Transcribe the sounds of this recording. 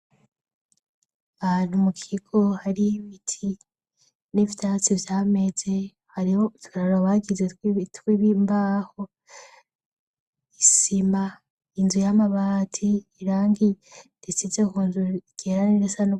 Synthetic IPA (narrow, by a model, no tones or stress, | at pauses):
aan̥umukʰiɡ̥o̞haɾihiβitʰi | nivitat͡sivjaːme̞d͡ze̞ | haɾiotɾaɾaβaɡizetwiβimbaːho | isima | inzujamaβaːtʰiːɾaːŋɡidisizekuːnzuiɡ̥eɾaniɾesanu